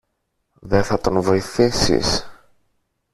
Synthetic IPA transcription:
ðeθɐt̪o̞nvo̞iθisḭs

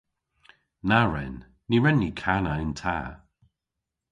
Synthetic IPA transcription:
naɹɛ̰nː | iɹɛnːikʰanaɪntʰaː

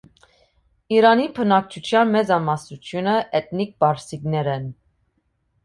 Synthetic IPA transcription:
iɾɑnipʰənɑk̚t͡ʃʰut̪ʰjɑnmɛd͡zɑmɑsnut͡sʰjunəʔɛt̪nik̚bɑɾsiknɛɾɛn

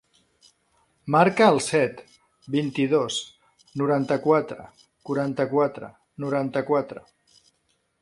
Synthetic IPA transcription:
maɾkəːlˠsɛt̪ | bint̪iðos | nuɾant̪əkwat̪ɾə̰ | kuɾant̪əkwat̪ɾə̰ | nuɾant̪əkwat̪ɾə̰

